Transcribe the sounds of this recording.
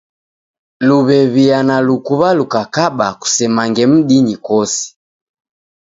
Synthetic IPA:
luβɛβianalukuβalukakaɓaku̥sɛmaŋɡɛm̩ɗiɲikɔsi̥

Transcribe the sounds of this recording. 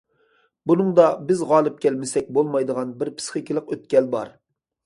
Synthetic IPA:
bunɨŋd̪ɑbɪzʁɑːlˠɨp̚kʲɛlmɪsɛk̚ʲbolˠmɑjd̪əʁɑnbɪɾpʰɨ̥sχɨkʲilˠəqøt̪̚kʲɛlbɑ̰ɾ

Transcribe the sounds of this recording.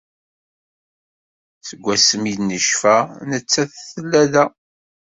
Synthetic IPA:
θəɡʷːæsəmidnəʃfænət͡sːæθθəlːæðæ

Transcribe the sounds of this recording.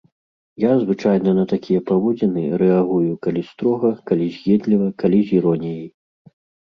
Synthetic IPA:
jazvɨt͡ʂajnɐnɐt̪akʲʰijɛpavɔd͡zʲɛnɨɾɛaɣujukalʲist̪ɾɔɣɐkalʲizʲɣʲɛd̪lʲivɐkalʲizʲiɾɔnʲijij

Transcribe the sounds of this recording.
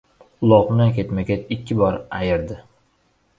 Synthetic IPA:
ʊlˠɒʁmnankʲʰe̞t̪makʲet͡ʃɪkʲːɪbɒɾajɪɾd̪ɪ

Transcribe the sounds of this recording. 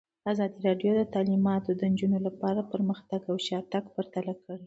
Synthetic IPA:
azɑd̪iɾɑɖjod̪ət̪ɑlimɑt̪od̪ənd͡ʒunolapɑɾapəɾməxt̪aɡawʃɑt̪aɡpəɾt̪alakəɽi

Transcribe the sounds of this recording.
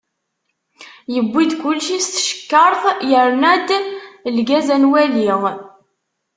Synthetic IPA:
jəbʷːid̪kʊlːʃist̪ə̥ʃə̥kːəɾˤθˤjəɾˤnæd̪lɡæzænwæliʁ

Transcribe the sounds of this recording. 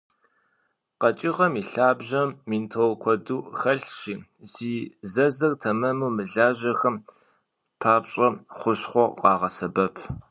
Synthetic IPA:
qɐt͡ʃʼiʁɐmiːɬaːbʑɐmːiːntʰowkʷʰɔduːxɐɬʃiː | ziːzɐzɐrtʰɐmɐmumɨɮaːʑɐxɐm | pʰaːpɕʼɐχʷʊɕχʷɔqɑːʁɐsɐbɐpʰ

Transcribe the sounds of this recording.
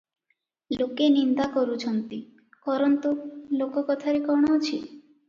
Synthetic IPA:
lokenind̪akɔɾut͡ʃʰɔnt̪i | kɔɾɔnt̪ulokɔkɔt̪ʰaɾekɔɳɔt͡ʃʰi

